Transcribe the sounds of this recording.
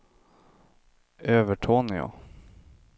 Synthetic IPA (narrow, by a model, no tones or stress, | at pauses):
øːvəʈʰoːnəjɑ̰ː